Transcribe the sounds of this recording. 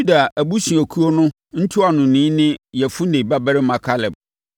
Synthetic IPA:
u˦da˨æ˨bu˦sĩ˨æ˨kʰu˦o˦nʊ̃˦ | n̩˦tʰʊ˦a˨nʊ̃˨nĩː˨˦nɪ̃˦jɛ˨fʊ˦nẽ˨ba˦bæ˦ɾɪ˦mã˨kʰa˦lɛ˨b̚

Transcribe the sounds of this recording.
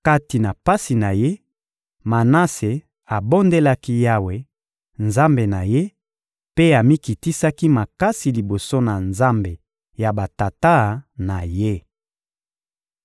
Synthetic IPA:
ka˦ti˨na˨pa˦si˨na˨je˦ | ma˨na˦se˨ | a˨bo˦nde˦la˦ki˦ja˦we˦ | nza˦mbe˨na˨je˦ | pe˦a˨mi˦ki˨ti˦sa˦ki˦ma˨ka˦si˨li˨bo˨so˦na˨nza˦mbe˨ | ja˨ba˨ta˨ta˦na˨je˦

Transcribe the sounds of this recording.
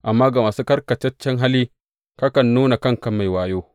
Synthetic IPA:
ʔa˨mːaː˦ɡa˨maː˨su˦kɐ˦ɾkɐ˨t͡ʃɐ˦t͡ʃːɐ˦ŋɦa˦liː˦ | ka˦kɐ˨nːuː˦na˨kɐ˦ŋkɐ˦mma˨jwaː˦joː˦

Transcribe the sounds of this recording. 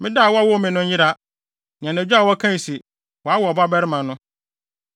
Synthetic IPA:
mɪ̃˦da˦˨wɔ˦wɔ˦˨mɪ̃˨nʊ̃˦ɲ˦jɪ˦ɾa˦ | ñ˨ã˨næ˨d͡ʑᶣa˦˨wɔ˦kʰã˦˨si˨ | wɔ˨a˦wɔ˨ba˦bɛ˦ɾɪ˦mã˨nʊ̃˦

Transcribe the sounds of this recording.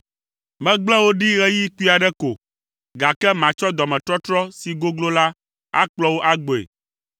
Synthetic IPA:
mɛ̃˦ɡ͡blɛ̃˦wo˦ɖi˦ɣɛ˦ji˦ku˦i˦a˨ɖɛ˦ko˨ | ɡa˨kɛ˦mã˨t͡ʃɔ˦d̪ɔ˨mɛ̃˨t̪ɾɔ˦t̪ɾɔ˦si˨ɡo˦ɡlo˦la˦ | a̰˦k͡plɔ˦wo˦ʔa˦ɡ͡bo˨ḛ˨

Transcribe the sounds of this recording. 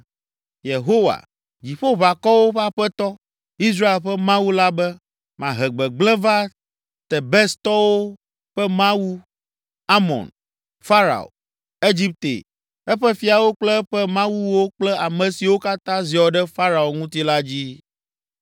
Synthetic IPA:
je˨ɦo˦wa̰˨ | d͡ʑi˨ɸo˦βa˨kɔ˦wo˦ɸa˦ɸɛ˦t̪ɔ˦ | i˦s̬ɾa˦e˨lɸɛ˦mã˦wu˦la˦bɛ˦ | mã˨ɦɛ˨ɡ͡bɛ˨ɡ͡blɛ̃˦va˦ | t̪ɛ˨bɛ˦st̪ɔ˦wo˦ | ɸɛ˦mã˦wu˦ | a˦mɔ̰̃˨n | fa˦ɾa̰˨o̰˨ | e˦d͡ʑi˦p̚t̪ḛ˨ | ɛ˦ɸɛ˦fi˨a˨wo˦k͡plɛ˦ɸɛ˦mã˦wu˦wo˦k͡plɛ˦a˨mɛ̃˨si˨wo˦ka˦t̪ã˦zi˨ɔ˨ɖɛ˦fa˦ɾa˨o˨ŋũ˦t̪i˦la˦d͡ʑi˦

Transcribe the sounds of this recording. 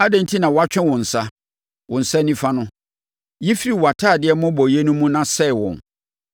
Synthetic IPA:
a˦dɛ̃˦n̩˦tʰi˦nã˨wɔ˨˦a˦t͡ɕᶣɛ̃˦wɔ̃˨n̩˨sa˦ | wʊ̃˨n̩˨sa˦nĩ˦fa˦nʊ̃˦ | ji˦fi˦ɾi˨wa˨tʰaː˦˨dɪ˨˦ɛ˦mʊ̃˦bɔ˨je˦nũ˦mũ˦nã˦sɛ˦˨wɔ̰̃˨n

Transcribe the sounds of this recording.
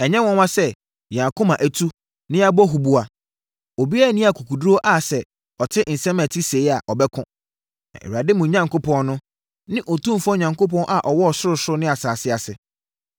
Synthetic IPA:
ɛ˨ɲɛ̃˦wɔ̃˦n˦wã˦sɛ˦˨ | ã˨kʰʊ̃˦mã˨ʔæ˨tʰu˦ | nɪ̃˦a˦bɔ˦ɦu˨bu˨a˨ | o˨bi˦a˦˨nĩ˦a˨kʰu˨kʰu˨do˦ʔa˨sɛ˨ | ɔ˨tʰɪ˦ʔn̩˨sɛ̃˦mæ˨tʰi˦se˨i˦a˨ʔɔ˨bɛ˦kʰʊ̃˦ | na̰˨ḛ˨ɾa˨dɪ˦mũ˨ɲã˦ŋko˦pʰɔ̃˦nnʊ̃˦ | nɪ̃˦ʔo˨tũ˦˨fɔ̃˦ɲã˨ŋko˦p̬ɔ̃˦nʔa˨ʔɔ˨wɔ˦ɔ˨sʊ˦ɾʊ˨sʊ˦ɾʊ˦nɪ̃˦a˨saː˨sɪ˦a˨sɪ˨

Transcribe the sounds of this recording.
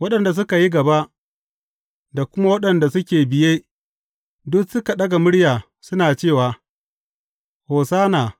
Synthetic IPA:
wɐ˦ɗɐ˨nda˨s̬ʊ˦ka˨ji˦ɡɐ˨ba˦ʔ | da˨kʷʊ˦ma˦wɐ˦ɗɐ˨nda˨sʊ˦kʲeː˨bɪ˨jeː˦ | dʊ˦ksʊ˦ka˨ɗɐ˦ɡa˨mʊ˦ɽjaː˨ | sʊ˦naː˨t͡ʃeː˦˨waː˨ | hoː˨saː˦naː˨

